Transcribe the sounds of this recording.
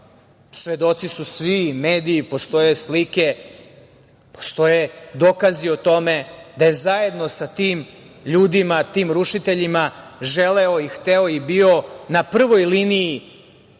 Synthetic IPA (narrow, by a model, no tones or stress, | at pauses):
sʋe̞d̪o̞t̪sisusʋimeːd̪iːpo̞st̪o̞je̞slike̞ | po̥st̪o̞jed̪o̞ːkaziot̪o̞me̞d̪aje̞zaje̞d̪no̞sat̪iːm | ʎuːd̪imat̪iːmɾuʃit̪eʎimaʒeleoixt̪eoibio̞napr̩ʋojlinii